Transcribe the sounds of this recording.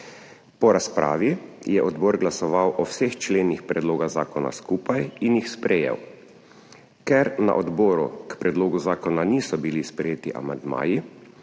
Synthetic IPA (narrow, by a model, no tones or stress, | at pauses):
pɔɾaspɾa̰ːʋijɛʔɔd̪bɔːɾɡlasɔʋawʔɔwsext͡ʃleːnixpɾɛd̪loːɡaɣzaːkɔna̰skuːpajinjixspɾɛjḛw | kɛɾna̰ʔɔd̪bɔːɾṵkpɾɛd̪loːɡuzaːkɔnaniːsɔbilispɾɛjeːt̪iʔa̰mand̪ma̰ːji